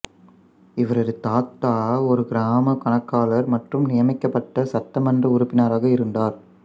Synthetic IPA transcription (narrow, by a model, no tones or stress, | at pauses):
ɪʋɐɾɐðɯt̪aːt̪ːaːɔɾɯɡɪɾaːmɐkɐɳɐkːaːlɐɾmɐʈrɯmnɪjɐmɪkːɐpːɐʈːɐsɐt̪ːɐmɐndrɐʊɾʊpːɪnaːɾaːɣɐɪɾɯnd̪aːɾ